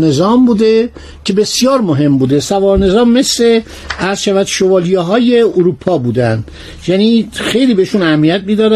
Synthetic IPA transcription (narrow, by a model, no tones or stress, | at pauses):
nezɒːmbuːd̪e | cʰe̞besijɒːɾmoɦe̞mbuːd̪esævɒːɾne̞zɒːmːe̞sle̞ | æɾz̥ʃævæd̪̥ʃovɒːlijeɦɒːje̞oɾuːpʰɒːbuːd̪ænd̪ | jæniːxe̞jliːbeiʃunæhæmːijæt̪̚miːd̪ɒːɾæ